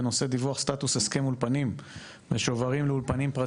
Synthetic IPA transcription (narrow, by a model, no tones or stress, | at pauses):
no̞se̞d̪ivuaχst̪at̪useskemulpanim | veʃo̞vaʁimleulpanimpʁa